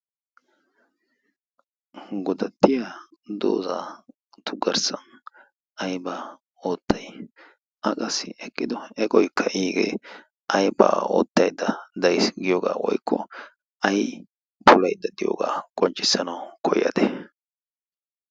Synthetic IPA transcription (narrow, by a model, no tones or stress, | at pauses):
ɡʊd̪ɐt̪ːɪjad̪o̰ːza | t̪ʊɡɐɾsɐn | ɐjba | o̞ːt̪ːɐj | ʔɐkʼɐsːɪʔɛkʼːɪd̪ɔɛkʼɔjkʰːɐʔiːɡḛ | ʔɐjba̰ːoːt̪ːɐjd̪ːɐd̪ɐjsɡɪjoːɡa̰ːwɔ̰jkːɔ | ɐj | pʰʊlɐjd̪ɐd̪ɪjo̰ːɡa̰ːkʼɔnt͡ʃʼːɪsːɐnɐwkʰɔjːɐ̰d̪ɛ